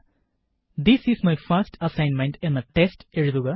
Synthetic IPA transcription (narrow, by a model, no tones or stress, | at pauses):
d̪isismajfɐɾsʈʰɐsãjnmẽɳʈɛ̃nðəʈesteɻuðuɣɐ